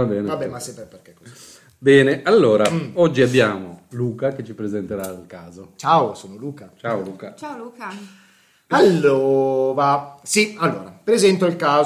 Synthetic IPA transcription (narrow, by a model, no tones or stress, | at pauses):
vabɛːnevabːɛmasepːɛperkekːo | bɛːneʔalːoːɾaɔd͡ʒːiabːjaːmoluːkaket͡ʃːipɾezent̪eɾailkaːzot͡ʃaosoːnoluːkat͡ʃaoluːkat͡ʃaoluːka | alːoːɾasialːoːɾapɾezɛnt̪oilkaː